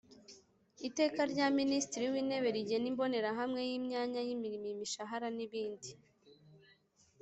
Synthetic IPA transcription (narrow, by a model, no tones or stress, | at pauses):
ite̞ːkaɾɟaːministiɾiwiːne̞βe̞ɾiɟe̞nimbo̞ne̞ɾaɦamŋe̞jiːmɲaːɲajimiɾimimiʃaɦaɾaniβiːndi